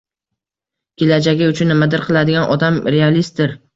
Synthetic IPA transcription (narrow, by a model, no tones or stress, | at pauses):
kʲelad͡ʒaɡʲɪʊt͡ʃʰʊnːɪmad̪ɪɾqʰɨlˠad̪ɪɡʲanʔɒd̪amɾealist̪̚d̪ɪɾ